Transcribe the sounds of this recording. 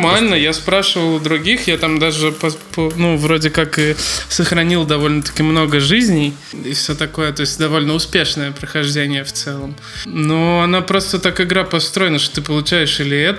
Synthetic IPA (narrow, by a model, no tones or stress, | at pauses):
malʲnəjaspɾaʂɨvəlˠɐd̪ɾʊɡʲixjat̪amd̪aʐɨpɐpənuvɾo̞dʲɪkakɨsəxɾɐnʲilˠd̪ɐvo̞lʲnət̪ə̥kʲɪmno̞ɡəʐɨzʲnʲɪ | ɪfsʲot̪ɐko̞jət̪o̞ɪsʲtʲd̪ɐvo̞lʲnəʊspʲe̞ʂnəjəpɾəxɐʐdʲenʲɪjəft̪sɛlˠəm | noɐnapɾo̞st̪ət̪akɨɡɾapɐst̪ɾo̞jɪnəʂt̪ot̪ɨpəlˠʊt͡ɕæjɪʂilʲɪɛt̪